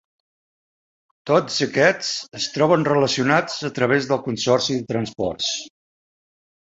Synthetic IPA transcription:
t̪od͡zəkɛt͡səst̪ɾɔβənrələsiunad͡zət̪ɾəβ̞ezðəlˠkunsɔrsiðət̪ɾənspɔ̰rs

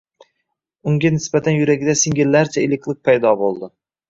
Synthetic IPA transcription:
ʊŋɡʲanɪsbat̪ʰanjʊɾaɡʲɪd̪asɪŋɡʲɪlːaɾt͡ʃʰaelɪkʲlˠɪk̚ʲpʰajd̪ɒbolˠd̪ɪ

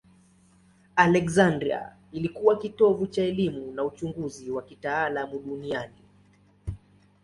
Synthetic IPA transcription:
alɛkzandɾia̰ | ilikuwakitɔvut͡ʃaɛlimunaut͡ʃuŋɡuziwakitaːlamuɗuniani

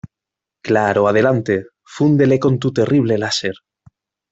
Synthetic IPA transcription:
klaɾoað̞e̞lant̪e | fund̪e̞leko̞nt̪ut̪e̞riβ̞lelaseɾ

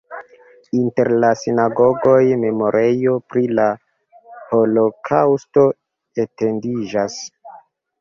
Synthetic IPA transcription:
inte̞ɾlasinaɡo̞ɡo̞jme̞mo̞ɾʔejo̞pɾila | ho̞lo̞kʰawsto̞ | ete̞ndid͡ʒas

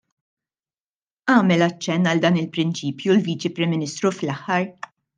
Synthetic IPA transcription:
ʔɐːmɛlɐt͡ʃːɛnːɐld̪ɐːnɪlpɾɪnt͡ʃiːpjulviːt͡ʃipɾɪmːɪnɪst̪ɾuflɐħːɐɾ

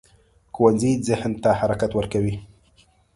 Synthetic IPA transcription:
xowanzizɪhnt̪ahaɾakat̪wəɾkawi

